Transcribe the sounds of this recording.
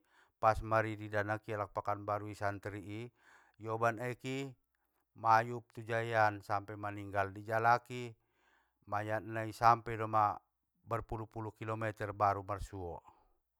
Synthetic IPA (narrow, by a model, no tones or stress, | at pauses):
pasmaɾididanakialak̚pakanbaɾuisant̪ɾiʔː | jɔbanaki | majup̚t̪ud͡ʒajansampɛmaniŋɡaldid͡ʒalaki | majanaisampɛdɔma | bərpulupulukilɔmɛt̪ɛrbaɾumarsuɔ̰